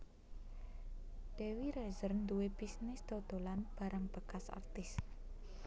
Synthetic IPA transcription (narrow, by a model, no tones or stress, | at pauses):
d̥ewiɾɛzərnd̪uweb̥isnɪsd̪̥od̪̥o̤lanb̥a̤ɾaŋb̥əkasa̰rt̪ɪs